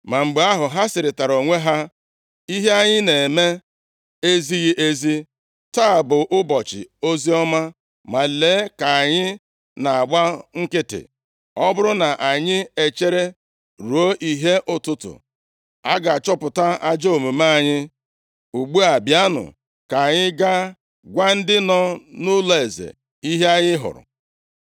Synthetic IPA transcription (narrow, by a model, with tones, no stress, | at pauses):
ma˨m̩˨ɡ͡be˨˦a˦ɦʊ˨ɦa˦sɪ˨ɾɪ˨ta˨ɾo˨ŋʷe˦ɦa˦ | i˦ɦe˦a˦˨ɲɪ˦ne˨me˦ | e˦zi˦ɣɪ˦ʔe˦zi˦ | ta˦˨bʊ˨ʔʊ˦bɔ˨t͡ʃɪ̰˨o˦zi˦ɔ˦ma˦ | ma˨leː˨˦ka˨a˨ɲɪ˦ | na˨a˨ɡ͡ba˦ŋ̩˦kɪ˦tɪ̰˨ | ɔ˦bʊ˦ɾʊ˦na˨ʔa˨ɲɪ˦e˨t͡ʃe˦ɾe˦ | ɾu˨o˦ʔi˨ɦe˦ʔʊ˦tʊ˦tʊ̰˨ | a˦ɡa˨t͡ʃɔ˦pʊ˨ta˦a˦d͡ʒo˦o˨mu˨ma˦˨ɲɪ˦ | u˨ɡ͡bu˦a˨bja˦nʊ̰˨ | ka˨ɲɪ˦ɡa˦ | ɡʷa˦n̩˦dɪ˦nɔ˦nʊ˦le˨e˨zḛ˨ | i˦ɦe˦a˦ɲɪ˦ɦʊ̰˨ɾʊ̰˨